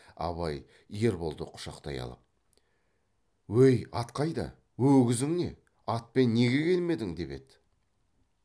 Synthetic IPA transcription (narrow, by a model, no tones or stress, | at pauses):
ɑ̰βɑj | je̞ɾbo̞lˠd̪əqʰʊ̥ʃɑqt̪ɑjɑ̰lˠə̰p̚ | wɵjɑt̪qʰɑjd̪ɑ̰ | wɵwɡʲɪzɪŋne̞̰ | ɑt̪̚pe̞nːe̞ɡʲe̞kʲʰe̞lme̞d̪ɪŋd̪e̞pe̞̰d̪ɪ